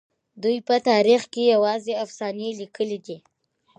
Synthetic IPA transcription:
d̪ujpət̪ɑɾixkejawɑzeafsɑnelikəlid̪i

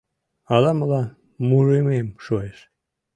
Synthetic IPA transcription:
ɑlɑməlɑ | muʒememʃoeʃ

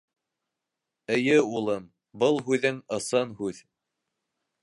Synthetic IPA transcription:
ɘ̆jɘulˠɤm | bɤlˠɦʉðɘŋɤ̆sɤnhʉð

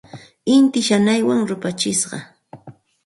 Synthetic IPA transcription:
ɪnt̪ɪʃanajwaŋɾʊpat͡ʃɪsɢɑ̰

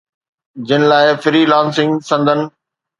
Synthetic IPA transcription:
d͡ʑɪnɪ̆laːɪfɪɾiːlãːnsɪ̃ŋɡsɐ̃nd̪ʱənɪ̆

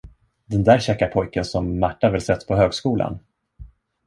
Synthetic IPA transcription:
d̪ɛnd̪æːɾɕɛkːaɾpʰɔjkənsɔmːaʈːavɪlsɛt̪ːpʰɔɦøːɡskuːla̰n

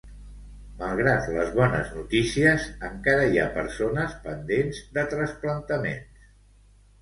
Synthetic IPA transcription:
məlˠɣ̞ɾat̪ləzβɔnəznut̪isiəzəŋkaɾəia̰pəɾsonəspənd̪enzd̪ət̪ɾəsplənt̪əmḛns

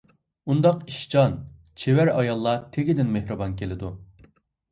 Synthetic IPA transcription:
und̪ɑqiʃt͡ʃɑn | t͡ʃʰewæɾɑjɑlˠːɑt̪ʰeɡʲid̪ɪnmehɾɨbɑnkʲelɪd̪u

